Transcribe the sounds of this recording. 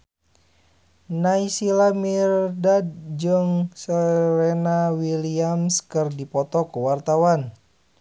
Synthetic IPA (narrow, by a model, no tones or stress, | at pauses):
naisilamirdadd͡ʒɨŋsəɾenawiliamskɨrdipɔt̪ɔkuwart̪awan